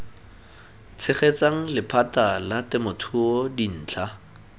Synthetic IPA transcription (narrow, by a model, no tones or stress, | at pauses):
t͡sʰɪχet͡saŋ̩lɪpʰatalatɪmʊtʰʊɔdin̩ːt͡ɬʰa